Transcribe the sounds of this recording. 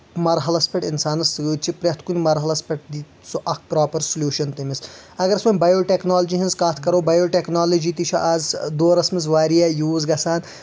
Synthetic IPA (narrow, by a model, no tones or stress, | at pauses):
mɐɾɦɐlɐspʲeʈinsaːnɐsɡut͡ʃʰipɾʲɐt̪ʰkunʲimɐɾɦɐlɐspʲɐʈ̚d̪i | suʔɐkpɾaːpɐɾsulʲjuːʃɐnt̪ɐmisɐɡɐɾɐsmɐmʲbɐjoːʈeknaːlɐd͡ʒiɦĩnskaːt̪ʰkɐɾoːbɐjoːʈeknaːlɐd͡ʒit̪it͡ʃʰɐ̰ʔaːzd̪oːɾɐsmiz̬ʋaːɾijajuːzɡɐsaːn